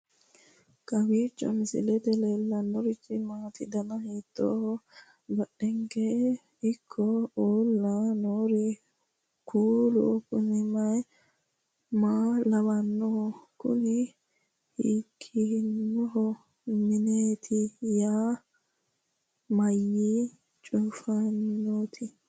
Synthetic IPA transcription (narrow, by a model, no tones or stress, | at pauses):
kʼɐwiːt͡ʃʼːɔ̰mɪsɪ̰lɛt̪ɛlɛlːɐnːɔɾɪt͡ʃːɪmaːt̪ɪd̪ɐnɐhiːt̪ʼːo̰ːhɔ | bɐɗɛŋke | ɪkʰːɔoːlːanoːɾɛ | kʰuːlʊ̰kʊnɪmɐj | maːlɐwɐnːɔhɔkʊ̰nɪ | hiːkʰːinːɔɦɔ | mɪneːt̪ʰɪjaː | mɐjːiː | t͡ʃʼuːfannoːt̪ʰɪ